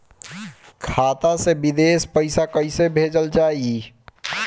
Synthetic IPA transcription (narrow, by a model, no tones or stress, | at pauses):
kʰaːt̪asebɪd̪eːspəɪsakəɪsebʱeːd͡ʒəld͡ʒaːie